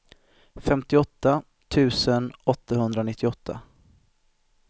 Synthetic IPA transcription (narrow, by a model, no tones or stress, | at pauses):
fɛmt̪ɪɔt̪ːa | t̪ʰʉ̟ːsənɔt̪ːaɦɵnd̪ɾanɪt̪ʰːɪɔt̪ʰːa̰